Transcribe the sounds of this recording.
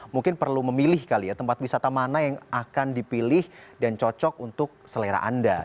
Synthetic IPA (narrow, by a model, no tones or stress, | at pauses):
muŋkɪnpərluməmilɪhkalijat̪əmpat̪̚wisat̪amanajaŋakandipilɪhdant͡ʃɔt͡ʃɔk̚unt̪ʊk̚səleɾa̰ʔa̰nda